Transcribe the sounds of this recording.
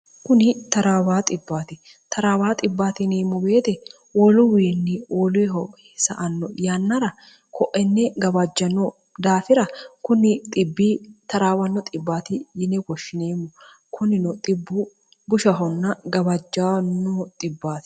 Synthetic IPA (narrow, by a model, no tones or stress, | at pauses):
kʊnɪt̪ɐɾaːwaːt̪ʼɪbːaːt̪ɪ | t̪ɐɾaːwaːt̪ʼɪbːaːt̪ɪneːmːɔbe̞ːt̪ɛ | wɔlʊwiːnːɪwɔːleɦɔ | sɐ̰ʔɐnːɔjanːɐɾɐ | kʰɔʔɛnːɛɡɐbɐd͡ʒːɐnːɔ | d̪aːfɪɾɐkʊnɪt̪ʼɪbːiːt̪ɐɾaːwɐnːɔt̪ʼɪbːaːt̪ɪjɪnɛɡɔʃːɪneːmːʊ | kʰʊnɪnɔt̪ʼɪbːʊ | bʊʃɐɦɔnːɐɡɐbɐd͡ʒːanːɔt̪ʼɪbːaːt̪ɪ̥